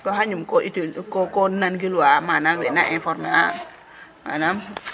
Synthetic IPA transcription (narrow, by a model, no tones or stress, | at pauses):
kohaɲumkoʔitukokonanɡilwamanamwɛnaʔɛ̃fɔɾmea | ma̰nam